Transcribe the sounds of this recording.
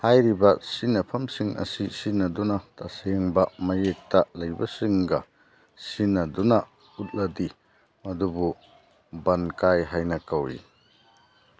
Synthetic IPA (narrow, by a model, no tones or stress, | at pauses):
hajɾibɐsinɐpʰɐmsiŋʔɐ̰sisinɐdunɐtaseŋbɐmɐjek̚tɐlɐjbɐsiŋɡɐ | sinːɐdunɐ | ut̚lɐdi | mɐdubu | bɐnkajɦajnɐkɐwḭ